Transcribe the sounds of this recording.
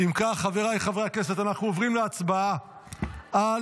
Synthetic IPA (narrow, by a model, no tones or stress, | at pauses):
imkaχaveʁajχaveake̞se̞t̪anaχnuovʁimleat͡sbaa | a